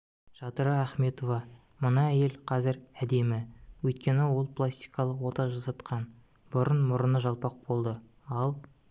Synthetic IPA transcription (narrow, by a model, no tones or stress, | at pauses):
ʒ̥ɑt̪əɾɑæχme̞t̪o̞vɑ | mənɑæje̞lqʰɑzɪɾæd̪e̞mɪwɵjt̪̚kʲe̞nɪwo̞lˠplˠast̪ijkɑlˠəqwo̞t̪ɑʒɑsɑt̪qʰɑn | b̥ʊɾənmʊɾənəʒɑlˠpɑq̚bo̞lˠd̪ə | ɑlˠ